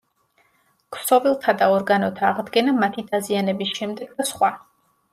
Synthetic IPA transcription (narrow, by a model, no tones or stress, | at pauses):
kʰsɔbilˠt̪ʰad̪aɔɾɡanɔt̪ʰaːʁd̪ɡɛnamat̪ʰid̪azianɛbisʃɛmd̪ɛɡ̚d̪asχwa